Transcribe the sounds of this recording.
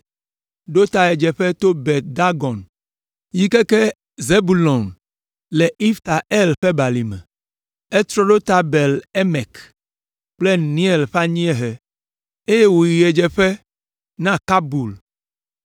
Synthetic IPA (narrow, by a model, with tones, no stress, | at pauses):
ɖo˦t̪a˨ɛ˨d͡ʒɛ˨ɸɛ˦t̪o˦bɛ˨t̪̚d̪a˦ɡɔ˨n | ji˦kɛ˦kɛ˦ | ze˦bu˨lɔ˨n | le˨i˦ft̪a˨ʔɛ˦lɸɛ˦ba˨li˨mɛ̰˨ | ɛ˦t̪ɾɔ˦ɖo˦t̪a˦bɛ˨le˦mɛ˨k | k͡ple˦nĩ˦ɛ˨lɸa˦ɲĩ˦ɛ˦ɦɛ˨ | e˦je˦wo˨ji˨ɛ˨d͡ʒɛ˨ɸɛ˦ | nã˦ka˦bu˨l